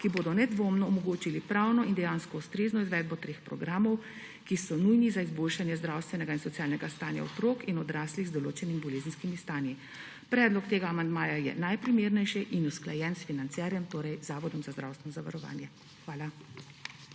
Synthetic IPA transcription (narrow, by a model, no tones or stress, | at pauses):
kiboːd̪ɔnɛd̪ʋoːmnɔːmɔɡoːt͡ʃilipɾawnɔind̪ɛjaːnskɔust̪ɾeːznɔizʋɛːd̪̚bɔt̪ɾeːxpɾɔɡɾaːmɔw | kisɔnujnizaizboːlʃanjɛzd̪ɾawst̪ʋɛnɛɡainsɔt̪sijaːlnɛɡast̪aːnja̰ɔt̪ɾoːkinɔd̪ɾaːsliɣzd̪ɔloːt͡ʃɛnimibɔleːzn̩skimist̪aːnji | pɾɛːd̪lɔkt̪eːɡaːmand̪maːjajɛ̰najpɾimeːɾnɛjʃɛʔinusklajɛnsfinant̪sɛɾjɛmt̪oːɾɛjzaːʋɔd̪ɔmzazd̪ɾa̰wst̪ʋɛnɔzaʋaɾɔʋa̰ːnjɛ | xʋaːla